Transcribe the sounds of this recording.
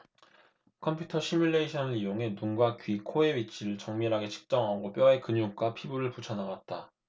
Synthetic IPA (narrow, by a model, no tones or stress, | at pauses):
kʰʌmpʰjutʰʌɕ͈ʰimjuɭːe̞iɕʰʌnɯɾijoŋe̞nunɡwakɥikʰoe̞wɥit͡ɕʰiɾɯɭt͡ɕʌŋmiɾɦaɡe̞t͡ɕʰɯ̥k̚t͡ɕ͈ʌŋɦaɡop͈jʌe̞kɯɲd͡ʑuŋk͈apʰibuɾɯɭput͡ɕʰʌnaɡat̚t͈a